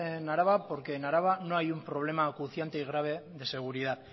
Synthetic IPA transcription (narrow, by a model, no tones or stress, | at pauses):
enaɾaβapo̞ɾke̞naɾaβano̞ajumpɾo̞β̞le̞makuθjant̪eiɣ̞ɾaβ̞e̞ð̞e̞se̞ɣ̞uɾiðað